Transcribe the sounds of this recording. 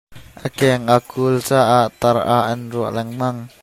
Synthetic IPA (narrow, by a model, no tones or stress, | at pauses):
ʔəkɛŋʔakʰult͡saːʔaʔt̪ɐɾa̰ʔɐnruəʔlɛŋmɐŋ